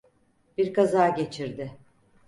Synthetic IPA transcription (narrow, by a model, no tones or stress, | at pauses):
b̥iɾkazaːɟe̞t͡ʃʰiɾd̪ɪ